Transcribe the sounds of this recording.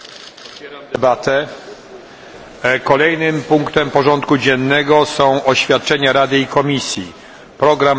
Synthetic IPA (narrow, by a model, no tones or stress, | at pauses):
ɛɾɛbat̪ɛ | kɔlɛjnɘmpuŋkt̪ɛmpɔʐɔnt̪kud͡ʑɛnːɛɡɔsɔ̃w̃ʔɔɕfʲjat̪̚t͡ʂɛɲaɾad̪ɘikɔmʲisʲjḭ | pɾɔɡɾam